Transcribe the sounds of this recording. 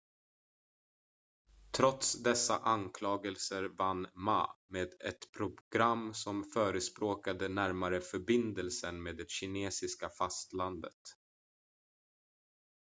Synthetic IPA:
t̪ʰɾɔt̪sd̪ɛsːa̰ʔankʰlɑːɡəlsəɾvanːma̰ːmeːd̪ɛt̪pʰɾʊɡ̥ɾamːsɔmfœːɾəspɾoːkad̪ənæɾmaɾəfœɾbɪnd̪əlsənmeːd̪ɛɕɪneːsɪskafast̪land̪ə̰t̪

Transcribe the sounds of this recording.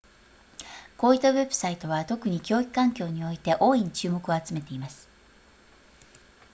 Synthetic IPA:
ko̞ːit̪ːaβe̞bɯ̟̥sait̪o̞β̞at̪o̞kɯ̟ɲ̟ikʲo̞ːikɯ̟̥kãŋkʲo̞ːɲ̟io̞it̪e̞ʔo̞ːĩɲt͡ɕɨːmo̞kɯ̟o̞at͡sɨme̞t̪e̞imasɨ̥

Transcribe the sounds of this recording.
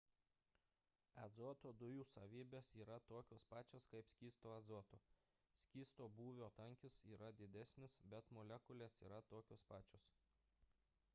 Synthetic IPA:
ɛd̪zoːt̪oːd̪ʊjuːsɐʋʲiːbʲeːsiːɾɐt̪oːkʲoːspɑːt͡ʃʲoːskɐɪpsʲkʲiːst̪oːɛzoːt̪oː | sʲkʲiːst̪oːbuːʋʲoːt̪ɐŋʲkʲɪsiːɾɐd̪ʲɪd̪ʲæsʲnʲɪsbʲɛt̪molʲɛkʊlʲeːsḭːɾɐt̪oːkʲoːspɑːt͡ʃʲoːs

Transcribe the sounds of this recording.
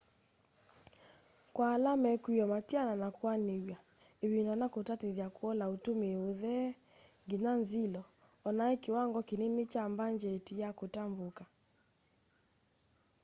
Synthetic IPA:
kwalamɛkiɔmatiananakwanewja | eβindɔnakotateðjakoɔlaotomeoðɛ | ŋɡenanzilɔː | naekewaŋɡɔkenenet͡ʃambaɲd͡ʒɛtijakotamboka

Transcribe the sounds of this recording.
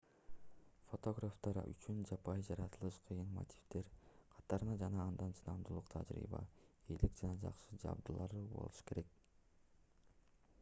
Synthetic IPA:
fo̞t̪o̞ɡraft̪ɑɾ̰y̰t͡ʃynd͡ʒɑpɑjd͡ʒɑɾɑt̪ɯlˠɯʃqʰɯjɯnmo̰t̪ʲi̥ft̪e̞ɾqʰɑ̥t̪ɑɾɯnɑd͡ʒɑnɑːnd̪ɑnt͡ʃʰɯnɑmd̪ulˠuqt̪ʰɑ̰d͡ʒɾḭːbɑ̰elikd͡ʒɑnɑd͡ʒɑ̰qʃɯd͡ʒɑ̰b̚d̪ɯlˠɑɾɯbo̰lˠuʃɯ̥ke̞ɾe̞k̚

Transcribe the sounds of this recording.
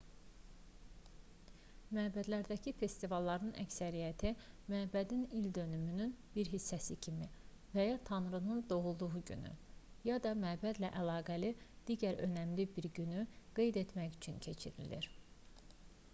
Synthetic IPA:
mæbæd̪læɾd̪æcʰife̞st̪ivɑlˠːɑɾnɯnʔæ̰csæɾijæt̪ʰi | mæbæd̪inild̪ø̞nymynynb̥iɾɦisːæsicʰimi | væjɑt̪ʰɑnɾɯnɯnd̪o̞ɣulˠd̪uɣuɟy̰ny̰ | jɑd̪ɑmæbæd̪læʔælɑːɡælid̪̥iɟæɾø̞̰næmlibiɾɟynyɡ̥e̞jd̪e̞t̪ʰmæçyt͡ʃʰyncʰe̞t͡ʃʰiɾḭlḭɾ

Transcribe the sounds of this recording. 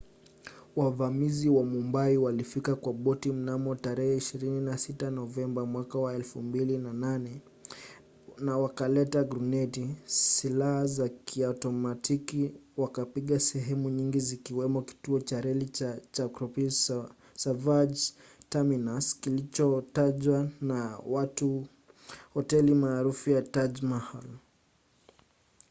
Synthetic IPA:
wavamiziwamumbaiwalifikakwaɓɔtim̩namɔtaɾɛhɛiʃiɾininasitanɔvɛmbamwakawaɛlfumbilinananɛ | nawakalɛtaɡɾunɛtisilahazakʰiautɔmatʰikiwakapiɠasɛɦɛmuɲiŋɡizikiwɛmɔki̥tuɔt͡ʃaɾɛlit͡ʃakɾɔpi | savad͡ʒ | taminaskilit͡ʃɔtaʄwanawatu | hɔtɛlimaːɾufujatad͡ʒmahal

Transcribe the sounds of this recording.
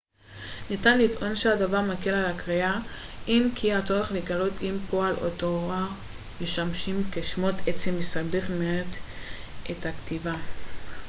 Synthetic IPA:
nitanlit̪ʔo̞nʃeadavaʁmakelalakʁea | ʔinkʰiat͡soʁeχleɡalo̞timpo̞alo̰toʁaʁ | meʃamʃimkeʃmo̞t̪et͡semesabeχmeet̪ʔethakt̪iva

